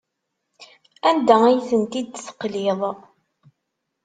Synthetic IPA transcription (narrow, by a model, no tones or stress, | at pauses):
ænd̪ææjθənt̪id̪θə̥qliðˤ